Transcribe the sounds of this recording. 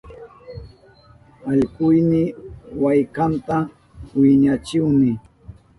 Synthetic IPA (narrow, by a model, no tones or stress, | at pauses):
aʎkʊjnɪwajkant̪a | wɪɲat͡ʃɪwnɪ